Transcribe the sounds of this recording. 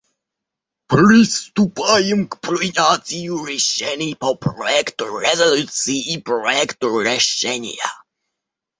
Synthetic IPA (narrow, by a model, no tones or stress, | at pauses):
prɨst̪upajɛmkpɾuɲʲat̪sʲiuɾɛɕt͡ɕɛnʲɛpɔpɾɔjɛkt̪uɾɛzɔlut̪sjiːpɾɔjɛkt̪uɾɛɕɛɲʲja̰